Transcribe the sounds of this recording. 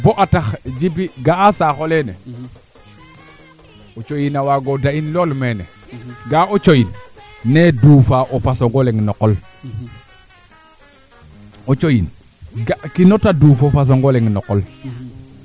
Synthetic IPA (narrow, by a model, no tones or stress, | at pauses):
boʔataxd͡ʒibiɡaasaxolene | ot͡ʃojinawaɡodainlolmenḛ | ɡaot͡ʃojinːeduːfaʔofasoŋɡoleŋnokol | ot͡ʃojin | ɡakinotaduːfofas̬oŋɡoleŋnokol